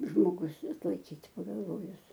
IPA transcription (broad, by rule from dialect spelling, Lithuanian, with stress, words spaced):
ʒmoːˈɡʊs ɐtlˠɐɪˈkʲiːtʲ pɐɡɐlˠˈʋoːjʊs